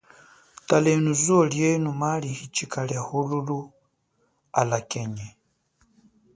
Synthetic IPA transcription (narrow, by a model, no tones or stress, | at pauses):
talɛnuzɔljɛnumalihit͡ʃikalahululu | a̰lakɛɲɛ